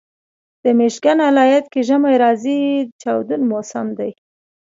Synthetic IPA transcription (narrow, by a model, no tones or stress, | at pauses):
d̪̥əmeʃɡanalɑjat̪keʒəmajɾɑzid̪t͡ʃɑwd̪unmosamd̪aj